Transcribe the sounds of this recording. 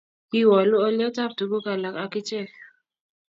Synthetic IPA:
ki˦wɔ˨lʊ˦o˦ljɔ˦ta˦p̚du˨ɡo˦ka˨la˨ka˨kɪ˦t͡ʃɛ˦˨

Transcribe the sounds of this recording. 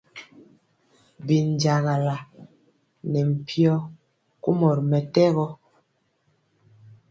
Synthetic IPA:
bi˨n̩˨d͡ʒa˨ɣa˨la˨ | nɛ˨m̩˨pʰjɔ˦ | ku˦mɔ˨ɾmɛ˨tɛ˦ɣɔ˦

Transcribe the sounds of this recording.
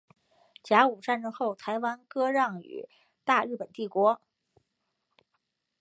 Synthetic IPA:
t͡ɕja˧˥u˨˩ʈ͡ʂa˥˧nʈ͡ʂɤ˥ŋxo˥˩ʊt̪ʰa˧˥ɪwa˥nkɤ˥ɻɑ˥˩ŋy̰˨˩˦ | t̪a˥˧ɻɻ̩˥˩pə˨˩nt̪i˥˩kwɔ˧˥

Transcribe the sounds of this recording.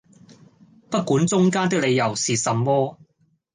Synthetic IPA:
pɐ˥t̚kuː˨˥nt͡sʊ˥ŋkaː˥nt̪ɪ˥k̚le˨˧jɐ˨˩wsiː˨˩sɐ˨mːɔː˥

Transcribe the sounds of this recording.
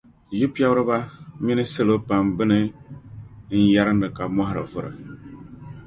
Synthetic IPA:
jɪ˦pi˦a˦bɾɨ˦ba˦mi˦nɨ˦sɨ˦lo˦pa˨mbɨ˦nɨ˦ | n̩˦ja˦ɾɨ˦ndɨ˨ka˨mɔ˦ɦɪ˨ɾɨ̰˨vɨ˦ɾɨ̰˨

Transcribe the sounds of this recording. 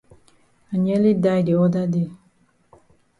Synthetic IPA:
a˨ɲɛ˦li˦da˦˨jde˨ɔ˦da˦de˦˨

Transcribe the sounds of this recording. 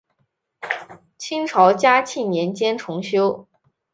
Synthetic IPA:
t͡ɕʰi˥ŋʈ͡ʂʰɑ˧˥ʊt͡ɕja˥t͡ɕʰi˥˩njɛ˧˥nt͡ɕjɛ˥nʈ͡ʂʰʊ˧˥ŋɕjo˥ʊ

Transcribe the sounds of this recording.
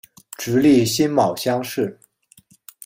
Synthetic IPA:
ʈ͡ʂɻ̩˧˥li˥˩ɕi˥nmɑ˨˩ʊɕjɑ˥ŋʂɻ̩˥˩

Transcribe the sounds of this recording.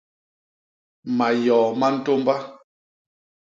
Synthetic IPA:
ma˨jɔː˨ma˦n̩˦to˦mba˦

